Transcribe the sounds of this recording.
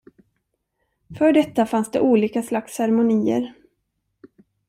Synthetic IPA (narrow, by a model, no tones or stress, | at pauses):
fœːɖɛt̪ːafansd̪ɛ̰ʔuːliːkaslakshæɾmʊniːə̰ɾ